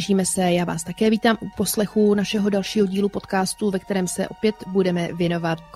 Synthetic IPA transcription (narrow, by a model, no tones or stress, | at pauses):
ʒiːmɛsɛjaːva̰ːst̪akɛːviːt̪aːmʔupo̞slɛxunaʃɛɦo̞dalʃiːɦo̞ɟiːlupo̞t̪kaːst̪uvɛk̚t̪ɛɾɛːmsɛ̰ʔo̞pjɛt̪budɛmɛvjɛno̞vat̪̚